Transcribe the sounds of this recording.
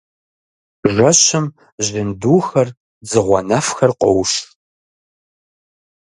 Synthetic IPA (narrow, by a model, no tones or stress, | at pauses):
ʒʷɐɕɨm | ʑɪnduːxɐr | d͡zɨʁʷɔnɐfxɐrqɔwʃ